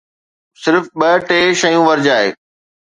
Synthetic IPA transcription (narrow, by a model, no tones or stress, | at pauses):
sɪɾfɓɐʈeːʃɐjũʋɐɾd͡ʑaːɦḛː